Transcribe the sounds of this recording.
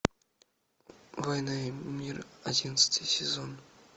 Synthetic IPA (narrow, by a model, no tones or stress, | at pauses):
vojnamʲiradʲinət̪sɨ̥t̪ʲijsʲezon